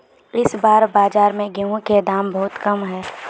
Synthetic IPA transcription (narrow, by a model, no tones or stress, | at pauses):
ɪsbaːɾbaːd͡ʒaːɾmẽɡeõked̪aːmbɐɦʊt̪kɐmɦɛː